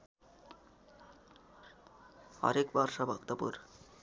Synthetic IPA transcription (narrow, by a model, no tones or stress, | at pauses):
ɔ̰ɾekbɔɾʃabʱɔkt̪apṵɾ